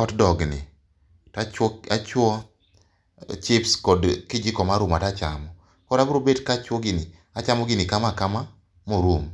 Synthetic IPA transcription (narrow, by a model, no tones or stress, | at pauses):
kɔtdɔɡnɪ̰ | tat͡ʃat͡ʃwɔ | t͡ʃɪpskɔdkɪd͡ʒɪkɔmaɾumatat͡ʃa̰mɔ | kɔɾabɾobedkat͡ʃwɔɡɪnɪ | at͡ʃamɔɡɪnɪkamakama | moɾum